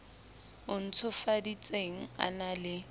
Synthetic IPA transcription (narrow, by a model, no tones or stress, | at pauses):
ʊn̩t͡sʰʊfadit͡sʼeŋ̩a̰nalɪ